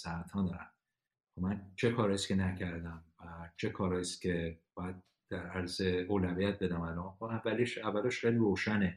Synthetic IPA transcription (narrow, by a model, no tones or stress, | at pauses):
sææt̪ʰɒːnd̪ɒːɾæ̰m | omænt͡ʃʰe̞kʰɒːɾɒjiskʰʲe̞næcʰæɾd̪æmvæt͡ʃʰe̞kʰɒːɾɒːjist̪cʲʰe̞b̥ɒːjæd̪̚ | d̪̥æɾæɾzeoːlævijæt̪̚be̞d̪æmælɒːmkonæmvæliʃævːælɒʃxejliɾoːʃæne